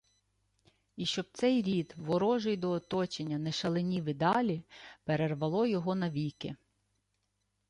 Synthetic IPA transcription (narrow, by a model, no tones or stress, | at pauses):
iʃt͡ʃɔb̚t̪sɛjɾʲid̪ʋɔɾɔʒɪjd̪ɔːt̪ɔt͡ʃenʲːɐnɛʃɐlˠenʲiʋɪd̪ɑlʲipeɾerʋɐlˠɔjɔɦɔnɐʋʲikɪ